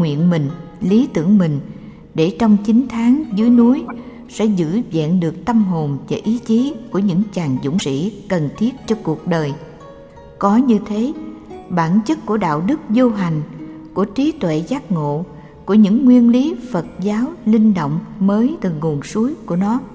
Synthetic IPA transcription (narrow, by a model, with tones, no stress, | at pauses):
ŋwḭ˧˨ənmï˨˩ŋ̟ | li˨˦t̪ɨ̰˧˩əŋmï˨˩ŋ̟ | ɗe˧˩t͡ɕɔ˧wŋ͡mt͡ɕï˨˦ŋ̟t̪ʰaː˨˦ŋzɨ˨˦əjnu˨˦j | sɛ̰˧˥zɨ̰˧˥zɛ̰˧˨nɗɨ˨˩ək̚t̪ə˧mɦo˨˩nvaː˨˩ʔi˨˦t͡ɕi˨˦ku˧˩əɲɨ̰˧˥ŋt͡ɕaː˨˩ŋzʊ̰˧˥ŋ͡msḭ˧˥kə˨˩nt̪ʰi˦˥ət̚t͡ɕɔ˧ku˨˩ək̚ɗəː˨˩j | kɔ˨˦ɲɨ˧t̪ʰe˨˦ɓaː˧˩nt͡ɕɨ˦˥k̚ku˧˩əɗa̰ː˧˨wɗɨ˦˥k̚zo˧ɦa˨˩jŋ̟ku˧˩ət͡ɕi˨˦t̪wḛ˧˨zaː˦˥t̚ŋo̰˧˨ | ku˧˩əɲɨ̰˧˥ŋːwi˧ənli˨˦fə˨˩t̚zaː˨˦wlï˧ŋ̟ɗo̰˧˨wŋ͡mməː˨˦jt̪ɨ˨˩ŋu˨˩ənsu˨˦jku˧˩ənɔ˨˦